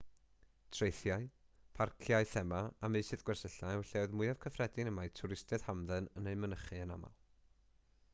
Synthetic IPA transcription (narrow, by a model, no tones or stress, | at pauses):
tʰrejθjaɨ | pʰarkʰjaɨθɛmaamɨjsɨðɡ̥wɛrsəɬawɬɛwðmʊjav̥kʰəfrɛdɪnəmajtʰʊɾɪstɛð̥hamðɛnəneɨmənəχɨənama̰lˠ